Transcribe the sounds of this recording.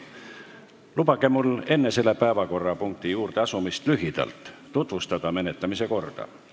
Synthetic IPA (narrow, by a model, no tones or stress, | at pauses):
lupɑke̞mule̞nːe̞se̞lːe̞pæevɑko̞rːɑpuŋk̚t̪ijuːrt̪eɑsumist̪lyɦid̪̥ɑ̰lt̪ˑːut̪vust̪ɑd̪̥ɑme̞ne̞t̪ːˑɑmis̬e̞ko̞rd̪̥ɑ̰